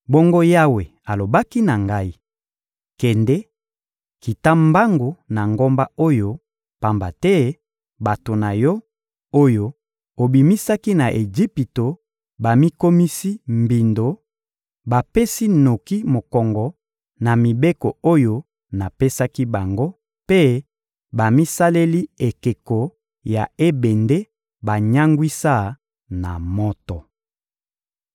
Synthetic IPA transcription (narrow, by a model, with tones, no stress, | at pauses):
bo˦ŋɡo˦ja˦we˨a˨lo˨ba˦ki˦na˨ŋɡa˦i˦ | kɛ˨ndɛ˦ | ki˨ta˦mba˦ŋɡo˨na˨ŋɡo˦mba˦o˦jo˦ | pa˨mba̰˨tɛ˦ | ba˨to˨na˨jɔ˦ | o˦jo˦ | o˨bi˨mi˦sa˦ki˦na˨ʔe˨d͡ʒi˦pi˨to˨ | ba˨mi˦ko˦mi˦si˦mbi˨ndo˨ | ba˨pe˦si˦no˨ki˦mo˨kɔ˨ŋɡɔ˨ | na˨mi˨be˦ko˨o˦jo˦ | na˨pe˦sa˦ki˦ba˨ŋɡo˦ | pe˦ | ba˨mi˦sa˦le˦li˦e˨ke˨ko˨ | ja̰˨e˦be˨nde˦ | ba˨ɲa˦ŋɡwi˦sa˦˨ | na̰˨mɔ˦tɔ˨